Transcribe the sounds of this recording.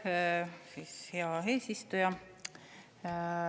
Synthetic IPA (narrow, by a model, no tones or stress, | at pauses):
siːsheɑe̞ːsist̪ujɑ